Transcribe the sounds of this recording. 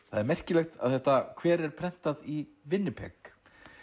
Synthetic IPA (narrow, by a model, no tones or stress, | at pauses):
θaðɛɾmɛr̥cɪlɛxt̪a̰ðθɛht̪akʰvɛːɾɛɾ̥pʰɾɛn̥t̪aði | vɪnːɪpʰɛ̰k